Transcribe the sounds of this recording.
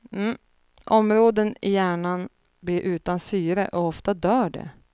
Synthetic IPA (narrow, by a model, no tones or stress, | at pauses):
m̩ː | ʔɔmɾoːd̪ənɪjæːɳan | blɪɾʔʉ̟ːt̪ansyːɾə̰ʔɔɔft̪ad̪œːɖɛ̰